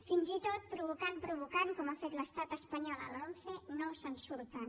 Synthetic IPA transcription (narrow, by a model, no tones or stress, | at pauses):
finzit̪ot̪̚pɾuβ̞ukanpɾuβukankɔmafet̪ləst̪at̪əspəɲɔlə̰lonsenowsənsuɾt̪an